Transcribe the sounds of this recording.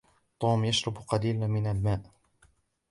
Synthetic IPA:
t̪ˤuːmjaʃɾˤɑbqɑliːlmɪnalmaːʔ

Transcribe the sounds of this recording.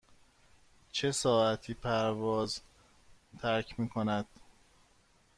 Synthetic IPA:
t͡ʃʰe̞sɒːæt̪ʰiːpʰæɾvɒːz | t̪ʰæɾcʰmiːkʰo̞næd̪̥

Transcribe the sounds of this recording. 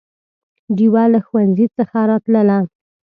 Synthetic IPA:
ɖiwalaxwanzit͡səxaɾɑt̪ləla

